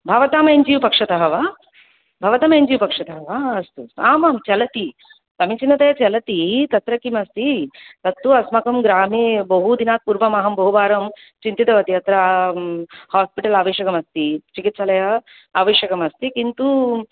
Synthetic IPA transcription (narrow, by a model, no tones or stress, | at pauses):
bʱɐʋɐt̪aːmɐeɲd͡ʒiʋupɐkʂɐt̪ɐɦɐʋaː | bʱɐʋɐt̪ɐmɐeɲd͡ʒiʋupɐkʂɐt̪ɐɦɐʋaːɐst̪uaːmaːmt͡ʃɐlɐt̪i | t̪ɐmit͡ʃinːɐt̪ɐjɐt͡ʃɐlɐt̪it̪ɐt̪ɾɐkimɐst̪it̪ɐt̪ːuɐsmɐkɐmɡɾaːmeːbɐɦud̪inaːt̪̚puːɾbɐmaːɦɐmbɐɦuʋaːɾɐm | t͡ʃint̪it̪ɐʋɐt̪iɐt̪ɾɐ | haːspiʈɐlaːʋeːʃɐkɐmɐst̪it͡ʃikit̪sɐlɐjɐ | aːʋeːʃɐkɐmɐst̪ikint̪u